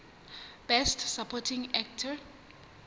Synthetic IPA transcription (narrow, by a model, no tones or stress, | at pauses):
b̥ɛstsapʰɔtʰĩŋɛk̚tʰə